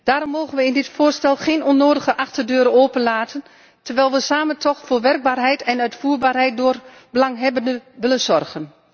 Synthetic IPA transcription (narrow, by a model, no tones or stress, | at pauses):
d̥aːɾɔmːoːɣənʋəɪndɪtfoːrstɛlˠxeːnɔnːoːdəɣəʔɑxtərdøːɾəoːpənlaːtʰən | tərʋɛjlˠʋəsaːməntʰɔxfoːʋɛrɡ̚baːrɦɛjtɛnœɥtfuːrbaːrɦɛjt̚dʊːr | bəlɑŋɦɛbəndəʋɪlənzɔrɣən